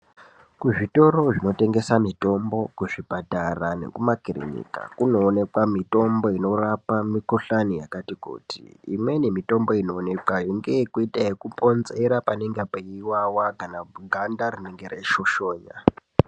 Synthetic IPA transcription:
kuʐito̞ro̞ʐino̞te̞ŋɡe̞samito̞mbo̞kuʐipataranḛkumakirḛɲḭka̰kuno̞ːne̞kwamito̞mbo̞ino̞rapamikuɬanijakatikṵːtḭḭmwe̞nemito̞mbo̞ino̞ːne̞kwaiŋɡekuitaekupo̞nze̞ɾapaneŋɡapaiwawakanaɡʱandarine̞ŋɡe̞ɾeʃo̞ʃo̞ːɲa̰

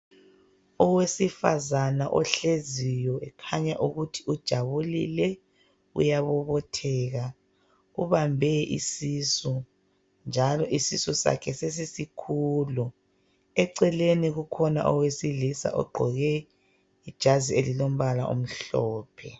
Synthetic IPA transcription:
ɔwesifa̰zanaʔɔ̰ɬezijɔɛkʰaɲaʔuɣutʰiud̥ʒ̥ʱaβulḭlɛ | ṵjaβɔβɔtʰɛːɣa | uβambʱɛʔḭsisu | nd͡ʒʱalɔʔisisusa̰kʰɛses̬isikʰulu | ɛǀɛleniɣukʰɔna̰ʔɔwesilisa̰ʔɔ̰ɡ͡ǃʱɔɣɛ | id̥ʒ̥ʱazielilom̩βalaʔṵm̩ɬɔːpʰɛ

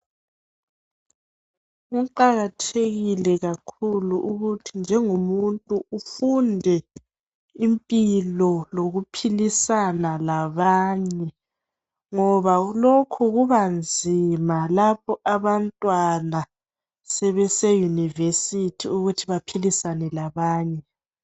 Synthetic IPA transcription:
ɣuǃaɣatʰeɣilɛɣakʰuluʔuɣutʰind͡ʒʱɛŋumuntʼuufundʱɛ | impʼilɔloɣupʰilisanalaβaːɲɛ | ŋɔβaulokʰuɣuβand͡zʱimalapʰɔʔaβantʼwana | sɛβɛsɛjunivesitʰiuɣutʰiβapʰilisanɛlaβaːɲɛ

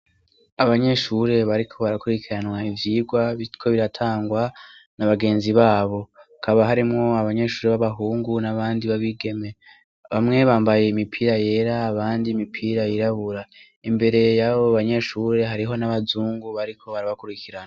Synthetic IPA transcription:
aβaɲe̞ʃuɾe̞βaɾikʰo̞βaɾakuɾikiɾanwaivjiːɡwaβikʰo̞βiɾatʰaːŋɡwanaβaɡe̞ːnziβaːβo̞akʰaβaɦaɾimŋo̞aβaɲe̞ʃuːɾe̞βaβaɦuːŋɡunaβaːndiβaβiɡe̞me̞ | βamŋe̞βaːmbaje̞imipʰiːɾaje̞ːɾaːβaːndiːmipʰiːɾajiɾaβuɾa | imbe̞ɾe̞jaβoaβaɲe̞ʃuːɾe̞ɦaɾiɦo̞naβazuːŋɡuβaɾikʰo̞βaɾaβakuɾikʰiɾana

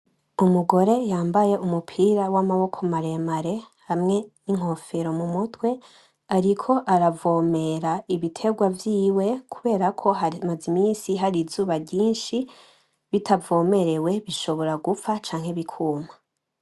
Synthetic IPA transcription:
umuɡo̞ɾe̞jaːmbaje̞ʔumupʰiːɾawamaβo̞kʰomaɾe̞maɾe̞hamŋe̞niŋ̥o̞fe̞ɾo̞mumutwe̞ | aɾikʰo̞ʔaɾavo̞ːme̞ɾaiβitʰe̞ɡwavjiːwe̞kʰuβe̞ːɾakʰo̞ɦaimazimiːnsiɦaɾizuːβaɟiːnʃi | βitʰavo̞ːme̞ɾe̞we̞βiʃo̞βo̞ɾaɡufat͡ʃaːŋ̥he̞βikʰuːma

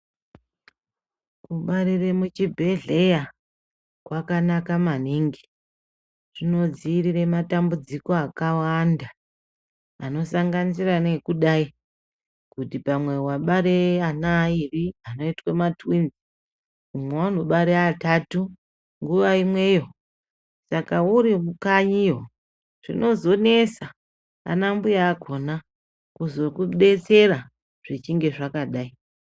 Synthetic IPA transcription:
kuɓaɾiremut͡ʃibʱe̞ɮe̞ja | kwakanakamaniŋɡi | ʐ̥ino̞d͡ziːrire̞matambud͡ziko̞akawandaː | no̞saŋɡanisiranekuɗai | kutipamwe̞waɓaɾeanairiano̞itwematwinzi | umwewanoɓaɾeatatu | ŋɡuʋaimwe̞ːjo̞ | sakauɾimukaɲijo | ʐ̥ḭno̞zo̞ne̞sa | a̰nambujaːɡʱo̞na | kuzo̞kuɓe̞t͡se̞ɾa | ʐ̥it͡ʃiŋɡe̞ʐakaɗai

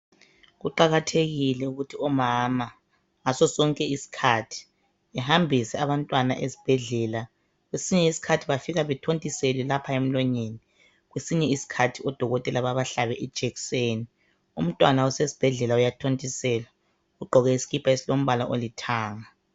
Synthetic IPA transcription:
ɣuǃaɣatʰeɣilɛuɣutʰiɔmama | asɔsɔŋkʼɛisi̥kʰatʰi̥ | ɛhambʱisɛaβantʼwanaʔesi̥b̥ʱɛɮɛːla | ɣwesiɲɛisi̥kʰatʰiβafiɣaβɛtʰontʼiselɛlapʰaem̩lɔɲeni | ɣwesiɲɛisi̥kʰatʰiɔd̥ʱɔɣɔtʼɛlaβaβaɬaβɛʔɛd̥ʒ̥ʱɛkseːni | um̩tʼwanaɔsesi̥b̥ʱɛɮɛlaujatʰontʼisɛːla | uɡ͡ǃʱɔɣɛisi̥ɣipʰaesilom̩βala̰ʔolitʰaːŋa

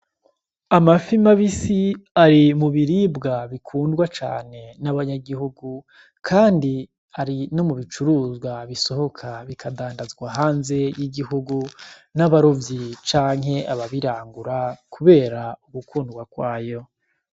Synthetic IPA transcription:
amafimaβisiaɾimuβiɾiːbɡaβikʰuːndɡwat͡ʃa̰ːne̞naβaɲaɡiɦuɡu | kʰaːndi | aɾino̞muβit͡ʃuɾuːzɡwaβiso̞ho̞kʰaβikʰadaːndazɡwaɦaːnze̞jiɡiɦuɡunaβaɾovjit͡ʃaːŋɦe̞ʔaβaβiɾaːŋɡuɾakʰuβe̞ːɾauɡukuːndɡwakwaːjo̞

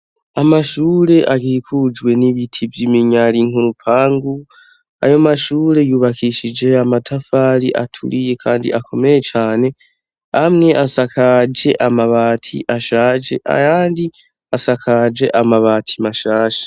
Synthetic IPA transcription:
amaʃuːɾe̞ʔaɡiikʰud͡ʒwe̞niβitʰivjimiɲaɾiŋ̥uɾupʰaːŋɡu | a̰jo̞maʃuːɾe̞juːβakʰiʃid͡ʒe̞amatʰafaːɾiʔa̰tʰṵɾije̞kʰaːndḭʔakʰo̞me̞ɾe̞t͡ʃaːne̞ | hamŋe̞ʔasakʰad͡ʒe̞ʔamaβaːtʰḭʔaʃaːd͡ʒe̞ʔa̰jaːndi | asakʰad͡ʒe̞ʔamaβaːtʰi̥maʃaːʃḁ

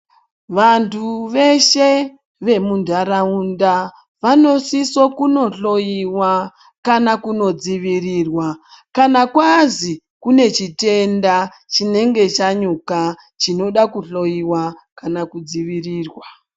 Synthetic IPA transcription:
ʋantʰuʋe̞ʃe̞ | ʋe̞mundʱaɾaunda | ʋano̞siso̞kuno̞ɬo̞jiwa | kanakuno̞d͡ziʋiriːrwa | kanakwazi | kune̞t͡ʃite̞nda | t͡ʃine̞ŋɡe̞t͡ʃaɲuka | t͡ʃino̞ɗakuɬo̞jiwakanakud͡ziʋiriːrwa

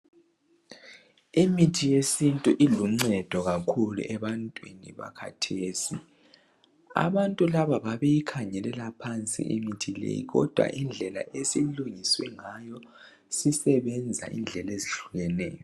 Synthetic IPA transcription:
imitʰijesintʼuʔiluŋ͡ǀɛd̥ʱɔɣakʰulṵʔɛβantʼwinḭβa̰kʰa̰tʰeːsi | a̰βantʼulaβaβaβejikʰaɲɛlɛlapʰant͡sʼḭʔimitʰilḛjḭɣɔ̰d̥ʱwa̰ʔind͡ɮʱɛla̰ʔesiluŋiswɛŋajɔ | sisɛβɛnd͡zʱa̰ʔḭnd͡ɮʱɛleziɬuɣɛnɛ̰ːjɔ

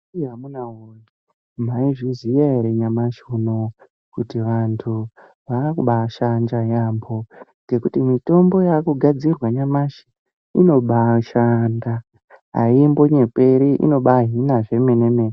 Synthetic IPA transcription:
iɦamunaɦoji | m̤aiʐizijaeɾeɲamaʃuno̞ | kutiʋantʰu | ʋakuɓaʃand͡ʒajambo̞ŋɡe̞kutimito̞mbo̞jakuɡʱad͡zirwaɲamaʃi̥ | ino̞ɓaʃanda | ɦa̰imbo̞ɲe̞pe̞ɾiʔḭno̞ɓaɦinaʐe̞me̞nemene

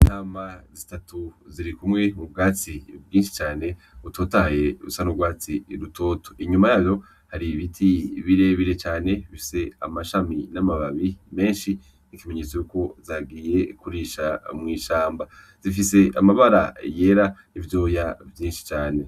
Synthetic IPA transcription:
naːmazitatuziɾikumŋe̞mubɡaːt͡sibɡiːnʃi̥t͡ʃaːne̞ | uto̞ːtahaje̞ɾusanubɡaːt͡siɾutʰo̞ːtʰo̥iɲumajaːβjo̞ | haɾiβitʰiβiɾe̞βiɾe̞t͡ʃaːne̞βifi̥se̞a̰maʃaminamaβaβime̞ːnʃi | nikimeɲet͡sojuko̞zaːɡiːje̞kuɾiʃamŋiːʃaːmba | z̥ifise̞amaβaɾa̰je̞ɾa | ivjo̞ːjavjiːnʃi̥t͡ʃaːne̞

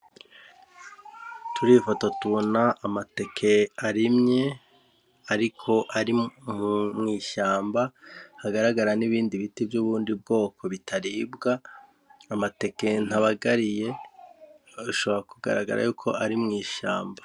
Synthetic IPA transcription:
tuɾiːfoto̞tuβo̞naʔːmate̞kʰe̞aɾimɲe̞ | aɾikʰo̞ʔaɾi | mŋiːʃaːmbahaɡaɾaɡaɾaniβiːndiβitivjuːβuːndib̚ɡo̞ːkʰo̞βitʰaɾibɡaː | mate̞ke̞n̥haβaɡaɾije̞ | uʃo̞βo̞ɾakuɡa̰ɾaɡa̰ɾa̰juːkʰo̞ʔaɾimŋiːʃa̰ːmba

